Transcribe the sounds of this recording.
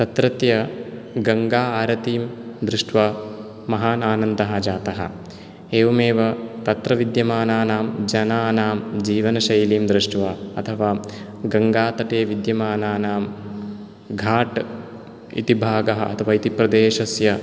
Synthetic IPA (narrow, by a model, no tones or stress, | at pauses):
t̪ɐt̪ɾɐt̪jɐ | ɡɐŋɡaːaːɾɐt̪iːmd̪ɾɪʂʈʋa | mɐɦaːnaːnɐnd̪ɐɦɐ̆d͡ʒaːt̪ɐɦɐ̰ | eːʋɐmeːʋɐt̪ɐt̪ɾɐʋid̪jɐmaːnaːnaːmd͡ʒɐnaːnaːmd͡ʒiːʋɐnɐʃɐjliːmd̪ɾɪʂʈʋɐɐt̪ʰɐʋaː | ɡɐŋɡaːt̪ɐʈeːʋid̪jɐmaːnaːnaːm | ɡʱaːʈ | ḭt̪ibʱaːɡɐɦɐɐ̰t̪ʰɐʋaːit̪ipɾɐd̪eːʃɐsjɐ